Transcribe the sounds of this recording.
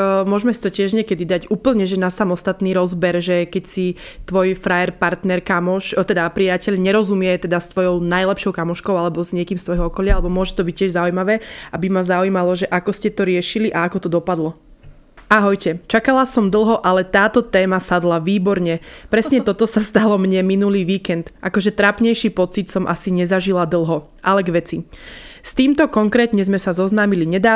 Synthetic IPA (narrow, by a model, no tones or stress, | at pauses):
mʊɔʒmɛsi̥t̪ɔcɪɛʒɲɛkɛd̪id̪aɟuːpl̩ɲɛʒɛnasamɔst̪at̪niːɾɔzbɛɾʒɛkɛcsi | t̪ʋɔjfɾajɛɾpaɾt̪nɛɾkamɔʃt̪ɛd̪apɾijacɛʎɲɛɾɔzumɪɛt̪ɛd̪ast̪ʋɔjɔʊnajlɛpʃɔʊkamɔʃkɔʊalɛbɔzɲɪɛkiːmst̪ʋɔjɦɔɔkɔʎɪaalɛbɔmʊɔʒɛt̪ɔbic̚cːɪɛʒzaujmaʋɛːʔabimazaujmalɔʒɛʔakɔscɛt̪ɔɾɪɛʃiliʔaakɔt̪ɔd̪ɔpad̪lɔ | aɦɔjcɛt͡ʃakalasɔmd̪l̩ˠɦɔʔalɛt̪aːt̪ɔt̪ɛːmasad̪laʋiːbɔɾɲɛpɾɛsɲɛt̪ɔt̪ɔsast̪alɔmɲɛminuliːʋiːkɛnt̪ʔakɔʒɛt̪ɾapɲɛjʃiːpɔt͡sit̪sɔmʔa̰siɲɛzaʒilad̪l̩ˠɦɔ | ʔalɛɡʋɛt͡sist̪iːmt̪ɔkɔŋkɾɛːt̪ɲɛzmɛsazɔznaːmiliɲɛd̪aː